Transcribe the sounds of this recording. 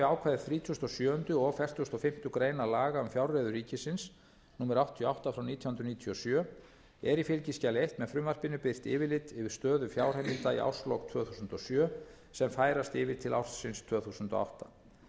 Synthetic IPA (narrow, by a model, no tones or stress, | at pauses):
aːwkʰvaːðɪθɾiːt̪ʰusnt̪ɔsjœːhʏnt̪ʏɔɣfɛr̥t̪ʰust̪ɔfɪm̥t̪ʏkɾeːjnalaːɣaʏmfjawɾreðʏriːcɪsɪns | nuːmɛɾawht̪ʰːijɔawht̪afɾawniːt̪ʰjɔhʏnd̪ɾʏniːt̪ʰiɔsjœ | ɛɾifɪlcɪscalɪejht̪mɛðfɾʏmvar̥pɪnːʏpɪr̥t̪ɪ̰ːvɪlɪt̪ɪvɪɾ̥st̪œːðʏfjaːwr̥hajmɪlt̪aḭa̰wslɔwkt̪ʰv̥œːθuːsʏnt̪ɔsjœː | sɛmfaːjɾast̪ɪːvɪɾt̪ʰɪla̰wr̥tsɪnst̪ʰv̥œːθuːsʏnt̪ɔ̰a̰wht̪ḁ